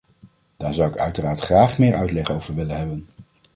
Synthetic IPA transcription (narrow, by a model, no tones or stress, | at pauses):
d̥aːɹzʌwɪkœɥtəraːɹtχraːχmɪːɹʔœɥtlɛχowvəɹʋɪlənɦɛbən